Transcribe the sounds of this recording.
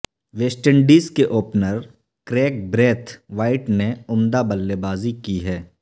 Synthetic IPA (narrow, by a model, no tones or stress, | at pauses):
ʋeːsʈəɳɖiːskeʔoːpnəɾ | kɾeːk̚bɾeːt̪ʰʋaːɪʈneʊmd̪abəlːebaːzikiɦɛː